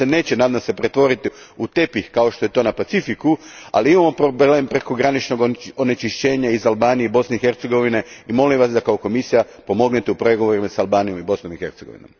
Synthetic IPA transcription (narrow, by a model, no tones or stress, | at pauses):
ene̞ːt͡ɕenad̪amsepɾe̞t̪ʋo̞ɾit̪iut̪e̞pixkao̞ʃt̪o̞je̞t̪o̞ːnapat̪sifikua̰liimamo̞pɾoble̞ːmpɾe̞ko̞ɡɾanit͡ʃno̞ɡonet͡ʃiʃt͡ɕe̞ːɲaizalˠbaːnijeibo̞sne̞ixe̞ɾt̪se̞ɡo̞ʋine̞imo̞limʋasd̪akaoko̞misija | po̞mo̞ɡnet̪eupɾe̞ɡo̞ʋoɾimasalˠbaːnijo̞mibo̞sno̞mixe̞ɾt̪seɡo̞̰ʋḭno̰m